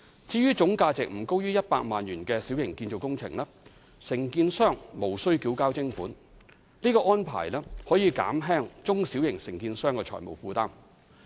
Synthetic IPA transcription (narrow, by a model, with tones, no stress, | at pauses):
t͡siː˧ɥyː˥t͡sʊ˨˥ŋkaː˧t͡sɪ˨k̚m̩˨˩ko˥wjyː˥jɐ˥t̚paː˧k̚maː˨njyː˨˩nkɛː˧si˨˥wjɪ˨˩ŋkiː˧nt͡ʃo˨wkʊ˥ŋt͡sʰɪ̰˨˩ŋlɐː˥ | sɪ˨˩ŋkiː˧nsœː˥˩ŋmo˨˩wsɵ˥ɥkiː˨˥wkaː˥wt͡sɪ˥ŋfuː˨˥n | liː˥kɔː˧ʔɔː˥npʰa̰ː˨˩jlɛː˥hɔː˨˥jiː˨˧ka̰ː˨˥mɦɛː˥ŋt͡sʊ˥ŋsiː˨˥wjɪ˨˩ŋsɪ˨˩ŋkiː˧nsœː˥ŋkɛː˧t͡ʃʰɔ̰˨˩jmo̰˨˩wfuː˧t̪aː˥m